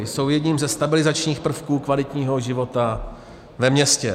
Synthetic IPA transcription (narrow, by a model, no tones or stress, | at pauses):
so̞wjɛdɲiːmzɛst̪abɪlɪzat͡ʃɲiːxpr̩fkuːkvalɪt̪ɲiːɦo̞ʒɪvo̞t̪a | vɛmɲɛscɛ